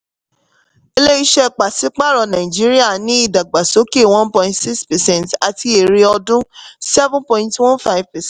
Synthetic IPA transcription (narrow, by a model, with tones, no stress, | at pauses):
e˧le˦i˦ʃɛ˧k͡pa˨si˨˦k͡pa˦˨ɾɔ˧nã˨ĩ˨d͡ʒi˨˦ɾi˦a˦˨nĩ˨˦i˦˨da˨ɡ͡ba˨so˨˦ke˦˨w̃ɔ̃˦n˦pɔ̃˧ĩntsi˦kspɛ˨sɛ̃˦˨nta˨ti˧e˨ɾi˧ɔ˧dũ˦sɛ˦vũ˦pɔ̃˨ĩ˧ntwɔ̃˦nfa˦vpɛ˨sɛ̃˦˨